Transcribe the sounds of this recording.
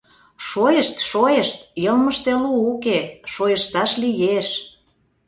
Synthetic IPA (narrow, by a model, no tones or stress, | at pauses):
ʃojeʃt̪ʃojeʃt̪jɤlmə̆ʃt̪eluːkeʃojə̆ʃt̪ɑʃlijeʃ